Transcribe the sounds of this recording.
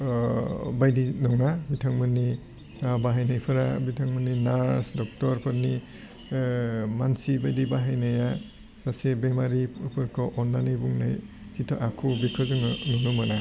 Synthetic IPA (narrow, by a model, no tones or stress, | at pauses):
bajdinɔŋabitʰaŋmɯni | baɦajnajpʰɯɾa̰bitʰaŋmɯnːinaɾsdɔk̚tɔɾpʰɔɾni | mansibajdibaɦajnaja | basebemaɾipʰɯɾkʰɔʔɔnlanibuŋna̰j | sitʰɔʔakʰubikʰɔzɯŋnunumana